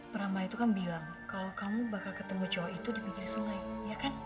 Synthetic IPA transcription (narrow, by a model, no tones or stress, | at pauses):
pəɾamait̪ukanbilaŋ | kalokamubakalkət̪əmut͡ʃawait̪udipikɪrsuŋajjakan